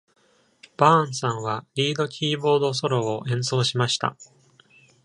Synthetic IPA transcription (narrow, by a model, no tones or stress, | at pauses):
b̥ãɴ̃sãɰ̃βaɾʲiːd̪o̞kʲʰiːbo̞ːd̪o̞s̬o̞ɾo̞ːʔẽ̞ɰ̃so̞ːɕimaɕi̥t̪a̰